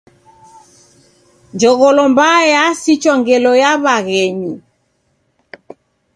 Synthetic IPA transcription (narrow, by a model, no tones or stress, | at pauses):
d͡ʒɔɣɔlɔmbajasit͡ʃɔŋɡɛlɔjaβaɣɛɲu